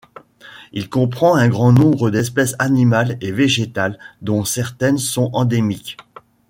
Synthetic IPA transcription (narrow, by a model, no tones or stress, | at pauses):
ilkɔ̃pχɑ̃ɛ̃ɡʁɑ̃nɔ̃bʁəd̪ɛspɛsanimaleveʒet̪ald̪ɔ̃sɛʁt̪ɛnsɔ̃ɑ̃d̪emik